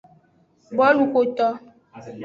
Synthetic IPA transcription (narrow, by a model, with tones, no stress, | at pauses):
bɔ˦lu˨ko˨t̪ɔ˦